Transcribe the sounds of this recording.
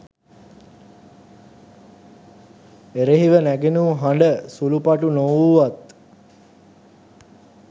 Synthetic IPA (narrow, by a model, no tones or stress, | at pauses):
eɾeɦiʋənæɡenuɦaɳɖəsulupaʈunowuʋat̪